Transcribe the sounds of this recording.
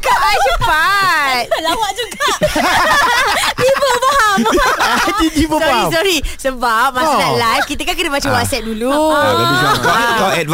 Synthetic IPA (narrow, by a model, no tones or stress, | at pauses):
kaajəpat̪̚wad͡ʒuɡa | ibəbaɦaat̪it̪ibəsɔisɔɾisəbap̚mãsnãlajfkit̪əkankənəmat͡ʃəmwɔtsɛt̪̚dulu | kɔkɔɛt̚